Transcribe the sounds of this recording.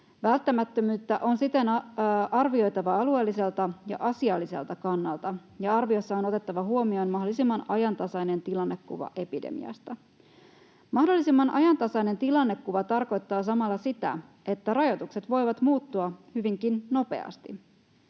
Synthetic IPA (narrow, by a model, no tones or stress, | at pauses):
ʋælt̪ːæmæt̪ːømyːt̪ːæʔo̞nsit̪e̞nɑʔɑrʋio̞jt̪ɑʋɑɑlue̞ːlːise̞lt̪ɑjɑ̰ʔɑsiɑlːise̞̰lt̪ɑkɑnːɑlt̪ɑjɑɑrʋio̞sːɑo̞no̞t̪e̞t̪ːɑʋɑɦuomio̞nmɑɦdolisimːɑnɑjɑnt̪ɑsɑjne̞nt̪ilɑnːe̞kːṵʋɑ̰ʔe̞pidḛmḭɑ̰st̪ɑ | mɑhdo̞lːisimːɑnʔɑ̰jɑnt̪ɑsɑjne̞nt̪ilɑnːe̞kːuʋɑt̪ɑrko̞jt̪ːɑːs̬ɑmɑlːɑsit̪æ̰ | ʔe̞t̪ːærɑjo̞t̪ukse̞t̪ʋo̞jʋɑt̪muːt̪ːuɑhyʋiŋkinːo̞pe̞̰ɑ̰st̪i